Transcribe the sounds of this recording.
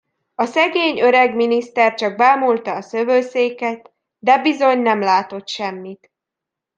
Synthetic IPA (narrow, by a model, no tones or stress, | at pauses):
ɒsɛɡeːɲøɾɛɡminist̪ɛrt͡ʃɒɡ̚baːmult̪ɒːsøvøːseːkɛt̪ | d̪ɛbizo̞ɲnɛmlaːt̪o̞t̪ʃɛmːit̪